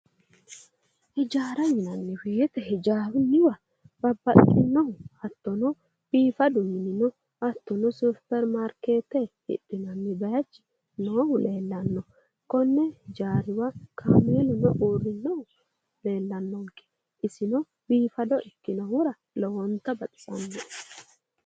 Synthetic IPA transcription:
hɛd͡ʒaːɾɐjɪnɐnːɛweːt̪ɛhɛd͡ʒaːwɪnɪwɐ | b̥ɐbːɐtʼːɪnːɔhʊɐt̪ːɔnɔ | b̥iːfɐd̪ʊmːɪnɪnɔ | ɐt̪ːɔnɔsupɛɾmaɾkeːt̪ːɛhɪ̰ɗɪnɐnːɛbɐjɐt͡ʃːɪ̥ | noːhʊle̞ːlːɐnːɔ | kɔnːɛd͡ʒaːɾɪwakʰaːmɛlʊnɔʔuːɾɪnːɔhʊ | le̞ːlːɐnːɔŋkːɛ̥ | ɪsɪnɔ | biːfɐd̪ɔʔɛkːɪnɐwʊɾɐ | lɔwɔnt̪ːɐbɐt̪ʼɪ̥sʼɐ̰nːɔʔ

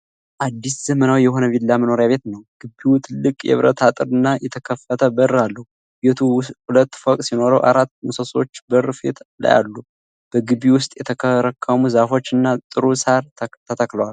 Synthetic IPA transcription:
ʔad̪ːisz̥əmənawjɛhɦo̞nəvilːaməno̞ɾjaβe̞t̪nəwɡ̥ɨbːiut̪ʰɨlːɨkʼjɛ̰βɾət̪ʰat̪ʼɨɾɨnːajɛt̪ʰəkʰəfːət̪ʰəbəɾalːəhu | bet̪ʰuhulət̪ːfokʼsino̞ɾə̰wʔa̰ɾat̪ːmusəso̞t͡ʃːbəɾfḛt̪la̰ja̰lːu | b̥əɡɨbiwʊst̪ʼjɛt̪ʰəkʰəɾəkʰːəmuzafo̞t͡ʃːɨnːat̪ʼɨɾusaɾt̪ʰət̪ʰəkləwal

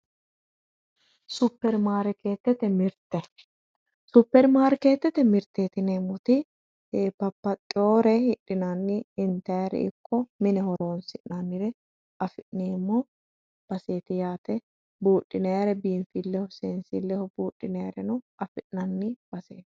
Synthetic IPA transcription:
sʊpːɛɾmaːɾɛke̞ːt̪ːɛt̪ɛmɪɾt̪ːɛ | sʊpːɛɾmaːɾɛke̞ːt̪ːɛt̪ɛmɪɾt̪ːeːt̪ɪnɛmʊt̪ɪ | eːpɐpːɐt̪ʼːɪoːɾɛhɪɗːɪnɐnːɪɪnt̪ɐjɾɛ̰ɪ̰kʰːɔmɪnɛhɔɾoːnsɪʔnɐnːɪɾɛ | ɐfɪʔneːmːɔ | b̥ɐseːt̪ɪjaːt̪ɛ | buːᶑʼːɪnejɐɾɛbiːnfilːɛhʊseːnsɪlːɛhɔbuːʔʼːɪneɾɛnʊɐfɪʔnɐnːɪb̥ɐseːt̪

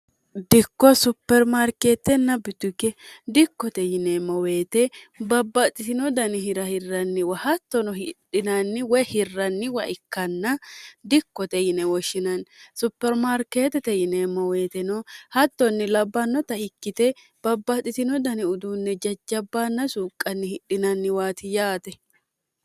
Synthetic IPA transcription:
d̪ɪkːɔsʊpːɛɾmaɾkeːt̪ːɛnːɐbɪt̪ːʊkːɛd̪ɪkːɔt̪ɛjɪnemɔwe̞ːt̪ɛbɐbːɐt̪ʼɪsɪnɔd̪ɐnɪɦɪɾɐhɪrːɐnːɪwɐhɐt̪ːɔnɔhɪᶑɪnɐnːɪwɔhɪrːɐnːɪwɐʔɪkːɐnːɐd̪ɪkːɔt̪ɛjɪnɛwɔʃɪnɐnsʊpːɛɾmaɾkeːt̪ɛt̪ɛjɪnemɔwe̞ːt̪ɛnɔhɐt̪ːɔnːɪlɐbːɐnːɔt̪ɐhɪkːɪt̪ɛ | b̥ɐbːɐt̪ʼɪt̪ɪnɔd̪ɐnɪʊd̪uːnːɛd͡ʒɐd͡ʒːɐbːaːnːɐsuːkʼːɐnːɪhɪɗɪnɐnːɪwaːt̪ɪjaːt̪ɛ

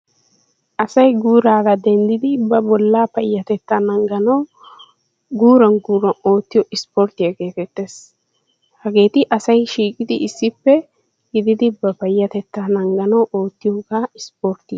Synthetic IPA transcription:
ʔɐsɐjɡuːɾaːɡɐd̪ɛnd̪ɪd̪ɪbɐbɔlːapɐjːɐt̪ɛt̪ːanɐŋɡɐnɐ | ɡuːɾɐnɡuːɾɐo̞ːt̪ːɪjɔʔɪspɔɾt̪ɪjɐɡe̞ːt̪ɛt̪ːes | hɐɡe̞ːt̪ɪʔɐsɐjʃiːkʼɪd̪ɪɪsːɪpːɛ | ɡɪd̪ɪd̪ɪbɐpɐjːɐt̪ɛt̪ːanɐŋɡɐnɐwʔoːt̪ːɪjɔːkaːɪspoɾt̪ɪ

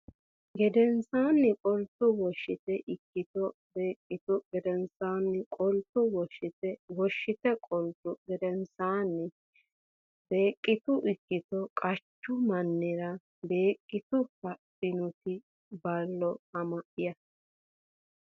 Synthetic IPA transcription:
ɡɛd̪ɛnsaːnːɪkʼɔlt̪ʊwɔʃːɪt̪ɛʔɪkːɪt̪ɔ | beːkʼːɪt̪ʊɡɛd̪ɛnsaːnːɪkʼɔlt̪ːʊwɔʃːɪt̪ɛwɔʃːɪt̪ɛkʼɔlt̪ʊɡɛd̪ɛnsaːnːɪ | beːkʼːɪt̪ʊʔɪkːɪt̪ɔkʼɐt͡ʃːʊmɐnːɪɾɐ | be̞ːkʼːɪt̪ʊkɐtːɪnʊt̪ɪ | bɐlːɔɐmɐʔɪjɐ

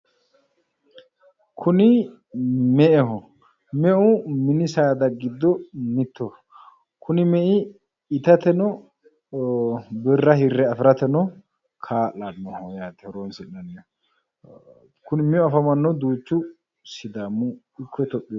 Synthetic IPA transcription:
kʰʊnɪ | mɛʔɛɦɔ | mɛʔʊmɪnɪsaːd̪ɐɡɪd̪ːɔmɪt̪ːɔ | kʰʊnɪmɛʔɪː | t̪ɐt̪ɛnɔ | bɪrːɐhɪrːɛɐfɪɾɐt̪ɛnɔ | kʰaːlannːɔhɔjaːt̪ɛɾoːnsɪnːɐnɛjɔ | kʊnɪmɛʊɐfɐmɐnːɔd̪uːt͡ʃːʊ | sɪd̪aːmːʊ | ɪkːɔt̪ɔpʼːɪj

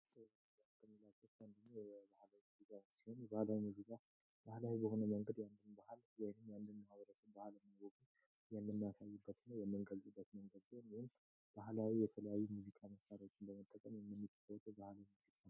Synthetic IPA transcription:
at̪ʰːəmilat͡ʃːɛfand̪ənːojɛbahlawimuzikʼawsiho̞njɛbahlawimuzikʼa | b̥ahlawibəho̞nəməŋɡəd̪jand̪ɨnbahaljɛnɨmjand̪ɨnmahaβəɾəsəβbahalɛmːɨnɡoɡu | jɛmːɨnːijasajːɨbːət̪ɨnːəwjɛmːɨnɡəlt̪ʼɨbːət̪məŋɡəd̪sihonjihun | b̥aɦlawijɛt̪ʰələjajːumuzikʼaməsʼaɾawot͡ʃːɪnbəmət̪ʼːəkʼəmjɛmːɨnːɨt̪ʰːə̥kəwət̪ʰʼbahlawinsikːa

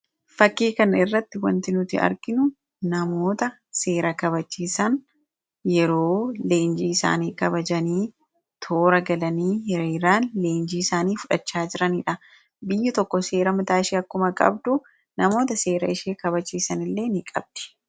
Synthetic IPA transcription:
fɐkːiːkɐnɪrːɐt̪ːɪwɐnt̪ɪnʊt̪ɪɐ̰ɾɡɪnʊ | nɐmo̞ːt̪ɐ | se̞ːɾɐkɐβɐt͡ʃːiːsɐn | jɛɾo̞ːle̞ːnd͡ʒiːɪsa̰ːniːkɐbɐd͡ʒɐniː | t̪ʰo̞ːɾɐɡɐlɐniːhɛɾeːɾaːnle̞ːnd͡ʒiːɪsaːniːfʊᶑɐt͡ʃːaːd͡ʒɪɾɐniːᶑɐ | bɪjːɐt̪ɔkːɔse̞ːɾɐmɪt̪aːʃiːɐkːʊmɐkʼɐ̰bd̪ʊ | nɐmo̞ːt̪ɐse̞ːɾɐɪʃeːkɐβɐt͡ʃːiːsɐnɪlːe̞ːnɪkʼɐ̰b̚d̪̥ɛ̥

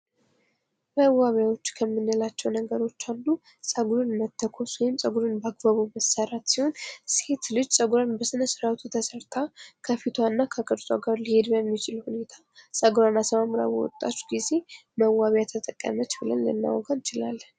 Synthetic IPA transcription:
məwːaβjawo̞t͡ʃːkʰəmːɨnːɨlat͡ʃːɛwnəɡəɾo̞t͡ʃːalːu | sʼəɡuɾɨnmət̪ʰːəkʰosujmsʼəɡuɾɨnbəaɡbaβuməsəɾat̪siho̞nse̞t̪lɨd͡ʒsʼəɡuɾanbəsɨnəsɨɾat̪ʰut̪ʰəsəɾt̪ʰakʰəfit̪ʰwanːakʰəkʼəɾsʼaɡaɾlihe̞d̪bəmːit͡ʃʰɪlhune̞t̪ʰa | sʼəɡɾanasəmamɾa̰wɔ̰t̪ʼːa̰t͡ʃːɡize̞məwaβjat̪ʰət̪ʼəkʼːə̰mət͡ʃbɨlə̰nlɨ̰nːa̰wɔɡant͡ʃɪlalː

